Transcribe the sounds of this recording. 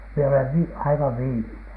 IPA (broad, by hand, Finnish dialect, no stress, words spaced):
mie oleʋ ʋi ɑiʋɑʋ ʋiːminen̥